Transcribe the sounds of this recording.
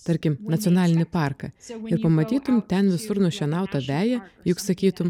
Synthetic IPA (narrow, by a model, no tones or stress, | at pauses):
t̪ɐɾʲkʲɪmnɐt̪sʲɔnɑːlʲɪnʲɪpɑˑɾkɐɪɾpɐmɐt̪ʲiːt̪ʊmt̪ʲɛnʋʲɪsʊɾnʊʃʲɛnɑˑʊt̪ɐʋʲæːjɛjʊksɐkʲiːt̪ʊm